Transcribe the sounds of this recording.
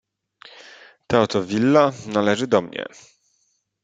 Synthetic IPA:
t̪ɛɔt̪ɔvʲilːanalɛʐɘd̪ɔmɲɛ̰

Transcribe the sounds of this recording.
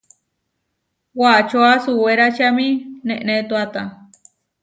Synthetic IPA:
wat͡ʃuasuweɾat͡ʃamĩnẽʔnẽt̪uat̪ã

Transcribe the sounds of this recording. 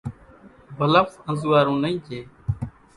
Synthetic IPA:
bʱələfsə̃nzuːʋaːɾũːnəĩːt͡ʃʰeː

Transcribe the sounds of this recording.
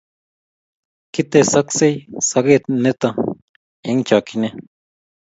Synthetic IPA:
kit̪esaksejsaɡet̪net̪a | eŋt͡ʃakine

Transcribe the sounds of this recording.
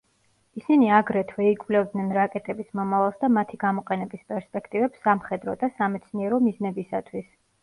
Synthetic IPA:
isiniaɡɾɛt̪ʰvɛikʼvlɛvd̪nɛnɾakʼɛt̪ʼɛbismɔmavalˠsd̪amat̪ʰiɡamɔqʼɛnɛbispʼɛɾspʼɛkʰt̪ʼivɛpsːamχɛd̪ɾɔ̰d̪asamɛt̪sʰniɛɾɔmiznɛbisat̪ʰwis

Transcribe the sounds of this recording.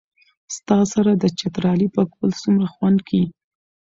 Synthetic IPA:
st̪ɑsaɾad̪ət͡ʃat̪ɾɑlipəkbəlsumɾaxwand̪kʰi

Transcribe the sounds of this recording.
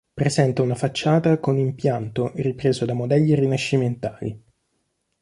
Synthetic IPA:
pɾezɛnt̪aunafat͡ʃːaːt̪akonimpjant̪oripɾeːzod̪amod̪ɛʎːiɾinaʃːiment̪aːlḭ

